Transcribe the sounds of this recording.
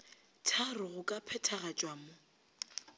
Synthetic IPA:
tʰarʊɣʊkʼapʰɛtʰaɣat͡ʃʼwamʊ

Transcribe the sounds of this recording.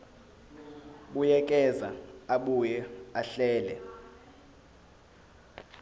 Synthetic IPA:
ɓujɛk̬ʼɛzaaɓujɛaɬɛːlɛ̰

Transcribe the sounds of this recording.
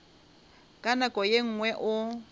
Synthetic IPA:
kʼanakʼɔjeŋ̩ŋwɛʔʊ

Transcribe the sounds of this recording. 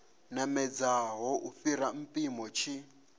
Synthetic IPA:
namɛd͡zaɦɔʔufiɾam̩pʼimɔt͡ʃʰi

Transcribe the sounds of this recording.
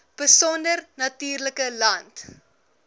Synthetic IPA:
b̥əsɔndərnɐtyːrləkəlɐnt

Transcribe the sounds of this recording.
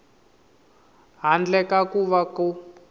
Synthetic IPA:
ɦand͡ɮɛkakuβakɔ

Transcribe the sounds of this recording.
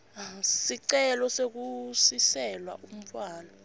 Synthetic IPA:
siǀɛlɔsek̬usisɛlwa̰ʔum̩faːlɔ

